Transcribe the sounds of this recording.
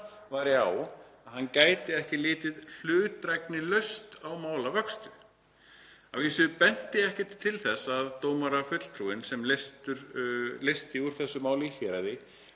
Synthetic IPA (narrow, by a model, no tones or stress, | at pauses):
vaːɾɪawaðhanːcaːjt̪ɪɛhcɪlɪːt̪ɪðl̥ʏːt̪ɾajknɪlœɥst̪awmaːwlavœkst̪ʏ | a̰wviːsʏpɛn̥t̪ɪɛhcɪt̪ʰːɪlθɛsːaðt̪oːwmaɾafʏt̪l̥p̪ʰɾuɪnsɛmlest̪ʏɾlest̪iuɾ̥θɛsːʏmaːwlɪçɛːɾaðɪ